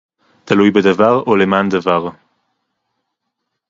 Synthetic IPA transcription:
t̪alujbed̪avaʁolemaːnd̪avaʁ

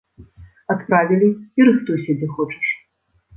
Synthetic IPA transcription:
at̪pɾavʲilʲiiɾɨxt̪usʲɐd͡zʲɛxɔt͡ʂɐ̥ʂ

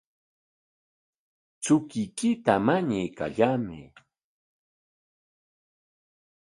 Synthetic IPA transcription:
t͡sʊkɪjkɪt̪amaɲajka̰ʎamɪ

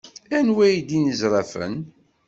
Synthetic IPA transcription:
ænwæjd̪inəzɾˤɑfə̰n

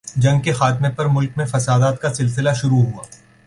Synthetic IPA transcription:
d͡ʒɐ̃ŋɡkexaːt̪mepɐɾmʊlk̚mẽfɐsaːd̪aːt̪̚kasɪlsɪlaʃʊɾuɦuaː

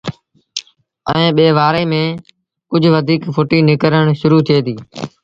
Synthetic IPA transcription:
ɛ̰ẽːɓeːʋaːɾeːmẽː | kʊd͡ʒʱʋəd̪ʱiːkfʰoːʈiːnɪkəɾəɳ̃ʃʊɾuːt̪ʰieːt̪iː

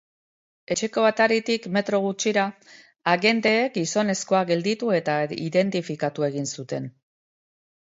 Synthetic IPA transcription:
e̞t͡ʃe̞ko̞β̞at̪aɾit̪ikme̞t̪ɾo̞ɣ̞ut͡ʃiɾa | aɣe̞nd̪e̞ːk̚ɡiso̞ne̞sko̞aɡe̞ld̪it̪ue̞t̪aiðe̞nt̪ifikat̪ue̞ɣ̞insut̪e̞n

